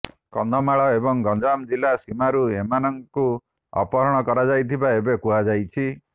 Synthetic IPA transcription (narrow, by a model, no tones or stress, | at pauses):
kɔnd̪ʱɔmaɭɔebɔŋɡɔnd͡ʒamd͡ʒilasimaɾuemanɔŋku | ɔ̰pɔɾɔɽ̃ɔkɔɾad͡ʒajt̪ʰibaebekuɦad͡ʒajt͡ʃʰi